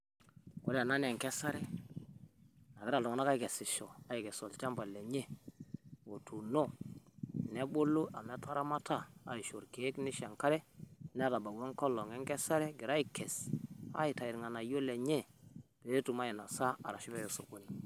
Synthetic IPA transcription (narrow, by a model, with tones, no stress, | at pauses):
wo̰˦la˨na˦ne˨ŋkɛ˦sa˦ɾɛ˦ | na˨ɡɪ˦ɾa˨lɔ˨ŋ˨na˦ka˦i˨kɛ˨si˨ʃo˨a˦ji˨kɛ˨so˨lt͡ʃa˦mba˨le˨ɲe˦ | wo˨tu˨no˦˨ | ne˦bo˦lu˦ʔa˨me˦ta˦ɾa˦ma˦ta˦˨a̰˨i˨ʃo˨ɾke˨˦kni˦ʃa˨ŋka˦ɾɛ˦ne˦ɾa˨ba˨ɡwo˦ŋko˦lɔ˨ŋɛ˦ŋkɛ˦sa˦ɾɛ˦ɡi˨ɾa˦i˦kːɛ˨sa̰˦i˨ta˨i˨ɾŋa˨na˨jo˦le˨ɲe˦b̥e˨˦tu˨ma˦ji˨na˨sa˦a˨ɾa˨ʃi˦be˦jo˨so˨ko˦ni˨